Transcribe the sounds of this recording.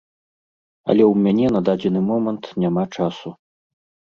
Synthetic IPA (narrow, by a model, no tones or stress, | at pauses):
ɐ̰lʲɛwmʲanʲɛnɐd̪ad͡zʲɛnɨmɔmɐnt̪nʲamat͡ʂasu